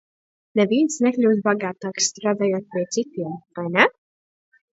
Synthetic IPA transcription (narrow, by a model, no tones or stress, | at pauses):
neviːnsneklʲuːd̪baɡaːt̪aːkst̪ɾaːd̪aːjoɔt̪̚pʲiɛsit̪iɛmvajnɛ